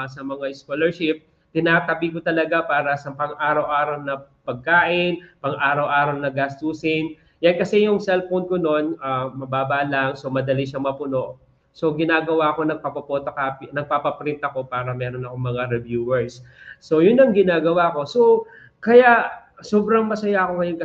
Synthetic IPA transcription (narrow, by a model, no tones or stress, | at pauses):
sɐmɐŋaɪskolɛɹʃɪp̚ | t̪ɪnaːt̪ɐbik̬ot̪ɐlɐɡapaːɾɐsɐmpɐŋʔaːɾɐwʔaːɾɐwnɐpɐɡ̚kaːʔɪnpɐŋʔaːɾɐwʔaːɾɐwnɐɡast̪usɪn | jankɐsɛjʊŋsɛlfown̚kono̞naːmɐbaːbaʔlɐŋso̞mɐd̪ɐliʃɐŋmɐpʊno̞ʔ | so̞ɡɪnaːɡɐwaɐko̞nɐɡ̚pɐpɐpoːt̪ɐkapnɐɡ̚papɐpɾɪnt̪ɐko̞paːɾɐmɛːɾo̞nɐkoŋmɐŋaɾɛvjuːwɛɹsːo̞jʊnːɐŋɡɪnaːɡɐwako̞so̞ | kɐjaʔsoːbɾɐŋmɐsɐjakoŋɐjonkɐ